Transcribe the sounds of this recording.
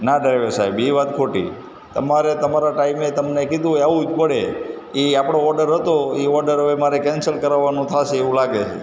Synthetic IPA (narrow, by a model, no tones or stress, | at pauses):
nad̪əɾʋesaɦibiʋat̪̚kʰoʈḭ | t̪ə̰maɾet̪əmaɾaʈaimet̪əmnekid̪ũaʋũd͡ʒpəɽe | eapɽ̃oɔɾɖəɾɦət̪oeɔɾɖəɾɦəʋemaɾekɛnsəlkəɾaʋːanũt̪ʰaʃeeʋũlaɡet͡ʃʰḛ